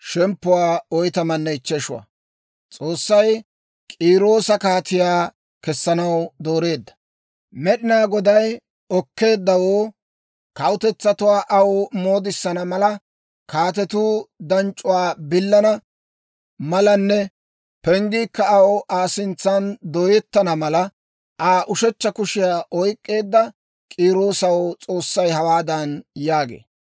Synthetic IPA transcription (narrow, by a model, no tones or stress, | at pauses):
ʃɛmpːʊwaːɔjt̪ɐmɐnːɛɪt͡ʃːɛʃʊwɐ̰ | t͡sʼo̞ːsːɐj | kʼiːɾo̞ːsɐkaːt̪ɪjaː | kɛsːɐnɐwd̪o̞ːɾe̞ːd̪ːɐ̥ | mɛɗɪnaːɡɔd̪ɐj | ɔkːe̞ːd̪ːɐwoː | kɐwʊt̪ɛt͡sːɐt̪ʊwaːʔɐwmoːd̪ɪsːɐnɐmɐlɐ | kaːt̪̬ɛt̪uːd̪ɐnt͡ʃʼʊwaːbɪlːɐnɐ | mɐlɐnːɛ | pɛŋɡiːkːɐɐwaːsɪnt͡sːɐnd̪ɔjɛt̪ːɐnɐmɐlɐ | ʔaːʔʊʃɛt͡ʃːɐkʊʃɪjaːʔɔjkʼːe̞ːd̪ːɐ | kʼiːɾo̞ːsɐwt͡sʼo̞ːsːɐjhɐwaːd̪ɐnjaːɡḛː